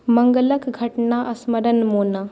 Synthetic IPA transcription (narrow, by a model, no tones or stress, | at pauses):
mɐŋɡələkɡʱɐʈnaʔɐsməɾənmoːna